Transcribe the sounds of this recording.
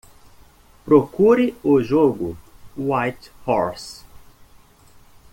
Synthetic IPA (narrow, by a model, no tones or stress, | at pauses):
pɾokuɾɪʊʒoɡʊwajt̪hɔɾs